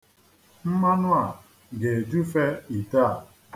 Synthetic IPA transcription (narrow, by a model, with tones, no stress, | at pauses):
m̩˦ma˦nʊ˦a˨ | ɡe˨d͡ʒu˦fe˦i˨ta˦˨